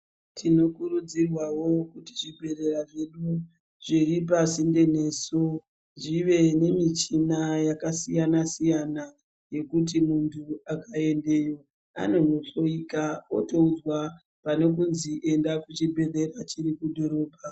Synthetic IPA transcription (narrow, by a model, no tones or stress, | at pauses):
tʰino̞kurud͡zirwawo̞kutiʐibʱe̞re̞raʐe̞ɗu | ʐirip̬asinde̞ne̞so | ʐiʋe̞ne̞mit͡ʃinajakasijanasijana | je̞kut̬imuntʰuakae̞nde̞ːjo̞ | a̰no̞no̞to̞iːkaoto̞ud͡zwa | pane̞k̬unziʔe̞ndakut͡ʃibʱe̞ɗe̞rat͡ʃirikudʱo̞ɾo̞ːbʱa